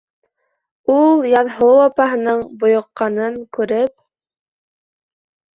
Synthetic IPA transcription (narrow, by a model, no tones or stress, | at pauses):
ulˠjɑðɦowɑpɑɦɤ̆nɤɴbŏjŏqːɑnɤŋkʉɾɘp̚